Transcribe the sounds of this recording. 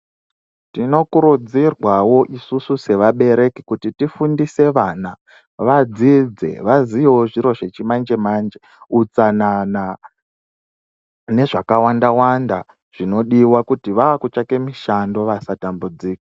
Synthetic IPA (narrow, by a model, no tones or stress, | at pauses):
tino̞kuɾud͡zirwawo̞ʔisususe̞ʋaɓe̞ɾe̞kikutitifundise̞ʋana | ʋad͡zid͡ze̞̰ʋaziooʐiɾo̞ʐe̞t͡ʃimand͡ʒe̞mand͡ʒe | ut͡sanana | ne̞ʐakawandawanda | ʐ̥ino̞ɗiwakutiʋaakut͡ʃake̞miʃando̞ʋasatambud͡ziːkḁ